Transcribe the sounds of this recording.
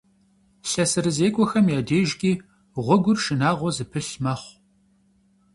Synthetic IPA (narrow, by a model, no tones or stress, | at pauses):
ɬɐsɨɾɨzeːkʷʼɔxɐmjaːdeːʒɡʲʼiː | ʁʷɔɡʷʊrʃɨnaːʁʷɔzɨpʰɨɬmɐχʷ